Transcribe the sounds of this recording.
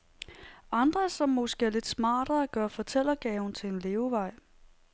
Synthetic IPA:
ʔɑ̈nd̥ʁɐsɒ̽mːo̝sɡ̥əæɐle̝d̥smɑ̈ːɾ̥ɐæɡ̥ɶːɐfɒ̽t͡sʰel̰ɐɡ̥ɛːʊn̩t͡sʰe̝enle̝ːʊʋɑ̈ɪ̰

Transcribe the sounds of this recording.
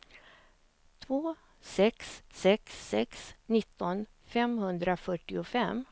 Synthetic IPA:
t̪ʰvoː | sɛksːɛksːɛksnɪt̪ːɔn | fɛmhɵnd̪ɾafœʈːɪʊfɛmː

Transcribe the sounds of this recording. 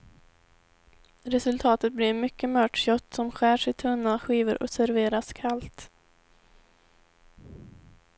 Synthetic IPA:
ɾɛsɵlt̪ʰɑːt̪ət̪̚blɪːɾmʏkːəmœːʈɕœt̪ːsɔmɧæːʂɪt̪ʰɵnːaɧiːvəɾʔɔ̰sæɾveːɾaskʰalt̪

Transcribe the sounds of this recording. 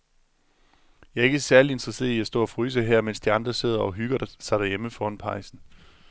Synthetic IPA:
jɑ̈ɐe̝ɡ̥əsæɐlie̝nd̥ʁɐse̝̰ð̩ˠiæsd̥ɒ̰ːɐfʁyːs̬əɦæɐ̰men̰sd̥iɑ̈nd̥ʁɐse̝ð̞̰ˠɐɒ̽ɦyɡ̥ɐsɑ̈ɪd̥æɐjeməfɒːnpʰɑ̈ɪsn̩

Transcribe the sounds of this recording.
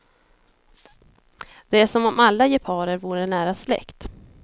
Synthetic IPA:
d̪̥ɛæʂɔmɔmalːajɛpʰɑːɾəɾvuːɾəɳæːɾaslɛ̰kt̪

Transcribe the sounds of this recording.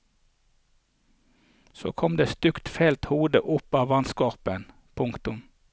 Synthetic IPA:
so̰ːkʰɔmd̪eːst̪ʉkt̪fɛlt̪huːd̪əʔʊpɑːʋɑnskoʁpən | pʰʊŋkt̪ʊm

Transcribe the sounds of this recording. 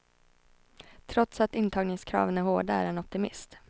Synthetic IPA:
t̪ʰɾɔt̪sat̪ɪnt̪ʰɑːɡnɪŋskʰɾɑ̰ːvənæɾɦhoːɖaæ̰ɾɛnɔp̚t̪ɪmɪ̰st̪

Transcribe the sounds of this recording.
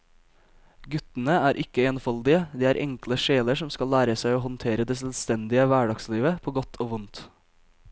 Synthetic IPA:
ɡʉt̪n̩əæːɾʔɪkəɛnfɑld̪ɪəd̪iːæːɾʔɛŋkləʃeːləʂɔmskɑlːæːɾəsæɪoːhɔnt̪ʰeːɾəd̪eːsœl̩st̪ɛnd̪ɪəʋæːɖɑɡsliːʋəpʰoːɡɔt̪ʰoːʋʊnt̪

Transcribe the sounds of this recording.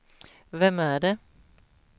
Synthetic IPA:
ʋɛmæːɖɛ

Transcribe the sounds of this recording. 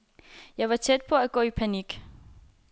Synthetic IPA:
jɑ̈ɪʋɑ̈t͡sʰed̥̚pʰɒ̽æɡ̥ɔ̰ːipʰæniɡ̥

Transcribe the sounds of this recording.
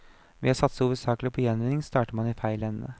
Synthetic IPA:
ʋɪɑsɑt̪səuːʋəsɑːklɪpʰɔːjɛnʋʉnɪŋst̪ɑːʈəmɑnifæɪlɛnnːə̰

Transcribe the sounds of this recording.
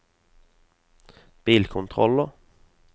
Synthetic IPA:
b̥iːlkʰʊnt̪ʰʁɔ̰ləʁ

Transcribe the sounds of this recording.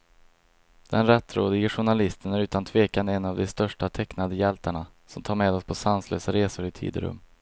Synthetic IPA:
d̪̥ɛnɾɛt̪ːɾo̰ːd̪ɪɡəɧʊɳalɪst̪ənæɾʉ̟ːt̪ant̪ʰveːkand̪ɛnːavd̪ɛst̪œʂʈat̪ʰɛknad̪əjɛlt̪aɳa | sɔmt̪ʰɑːɾmeːd̪ɔspʰɔsanslø̰ːsaɾeːsʊɾɪt̪ʰḭːd̪ə̰ɾɵ̰mː

